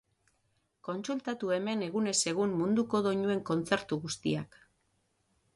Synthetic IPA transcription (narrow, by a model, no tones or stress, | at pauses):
ko̞nsult̪at̪ue̞me̞ne̞ɣune̞se̞ɣ̞ummund̪uko̞ðo̞ɲue̞ŋko̞nt͡se̞ɾt̪uɣust̪iak